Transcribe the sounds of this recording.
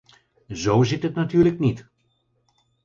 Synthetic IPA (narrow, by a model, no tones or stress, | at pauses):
zowzɪtɦətnatyːɹləknit